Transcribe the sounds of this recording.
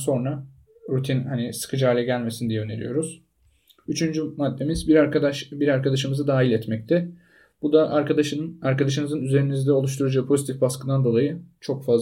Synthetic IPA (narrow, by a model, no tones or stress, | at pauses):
so̞nɾa | ɾut̪ʰinhanisɯ̥kʰɯd͡ʒaːlʲɛɟælʲme̞sind̪ijɛjøne̞lʲḭjo̞ɾuz̥ | yt͡ʃʰynd͡ʒymad̪ːe̞mizbɾaʃbiɾaɾkad̪aʃɯmɯzɯd̪aːɦilʲɛt̪mɛc̚t̪ʰɛ | b̥ud̪aʔɾkad̪ʃaɾkad̪aʃɯmɯzɯnyze̞ɾinizd̪ɛo̞lˠuʃ̬t̪ʰuɾud͡ʒapʰo̞zit̪ʰifbaskɯd̪and̪o̞lˠajɯt͡ʃʰo̞kfaz